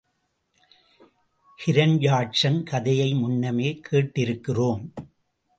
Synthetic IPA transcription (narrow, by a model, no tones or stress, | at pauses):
hɪɾɐnjaːʈt͡ʃɐnkɐðɐjɐɪmʊnːɐmeːkʰeːʈːɪɾɯkːɪroːm